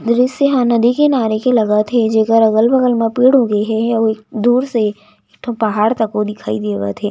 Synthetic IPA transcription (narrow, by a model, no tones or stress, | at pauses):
d̪ɾɪsseɦãnɐd̪ikenaːɾekelɐɡat̪ʰed͡ʒeːkəɾɐɣəlbɐɣəlmãpiːɽɦoːɡeɦɛjaʋoek̚d̪uːɾse | ekt̪ʰõpɐɦaːɽt̪ɐkod̪ɪkʰaːid̪eːɡa̰t̪ʰeː